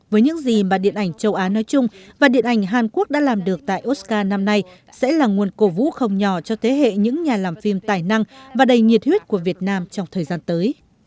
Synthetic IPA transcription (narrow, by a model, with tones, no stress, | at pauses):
vəː˨˦jɲɨ̰˧˥ŋzi˨˩maː˨˩ɗḭ˧˨ənʔa˧˩jŋ̟t͡ɕə˧wʔaː˨˦nɔ˨˦jt͡ɕʊ˧ŋ͡mvaː˨˩ɗḭ˧˨ənʔa˧˩jŋ̟ɦaː˨˩nku˦˥ək̚ɗa̰ː˧˥laː˨˩mɗɨ˨˩ək̚t̪a̰ː˧˨jʔo˦˥t̚kaː˧na˧mna˧j | sɛ̰˧˥laː˨˩ŋu˨˩ənko˧˩vṵ˧˥xə˧wŋ͡mɲɔ˧˩t͡ɕɔ˧t̪ʰe˨˦ɦḛ˧˨ɲɨ̰˧˥ŋɲaː˨˩laː˨˩mfi˧mt̪aː˨˩jna˧ŋvaː˨˩ɗə˨˩jŋi˨˩ət̚hwi˦˥t̚ku˧˩əvi˨˩ət̚naː˧mt͡ɕɔ˧wŋ͡mt̪ʰəː˨˩jzaː˧nt̪əː˨˦j